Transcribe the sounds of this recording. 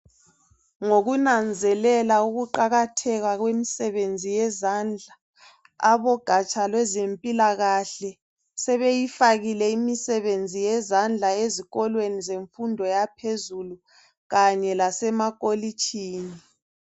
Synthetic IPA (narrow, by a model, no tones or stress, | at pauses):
ŋoɣunand͡zʱɛlɛlauɣuǃaɣatʰɛɣaɣwemisɛβend͡zʱijɛzand͡ɮʱaː | βɔɡ̥ʱat͡ʃʼalwɛzempʼilaɣaɬɛ | sɛβejifaɣilɛimisɛβend͡zʱijɛzand͡ɮʱaeziɣɔlwenizeɱfundʱɔjapʰezulu | ɣaɲɛlasɛmakʼolit͡ʃʼʰiːni